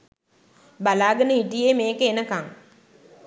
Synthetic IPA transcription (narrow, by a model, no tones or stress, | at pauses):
balaːɡənəɦiʈijeːmeːkəenəkaŋ